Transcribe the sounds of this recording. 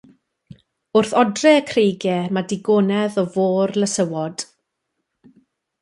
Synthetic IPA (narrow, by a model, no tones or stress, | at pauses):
ʊrθɔdrɛəkʰrejɡɛmadɪɡoːnɛðɔvoːrləsəwɔd̥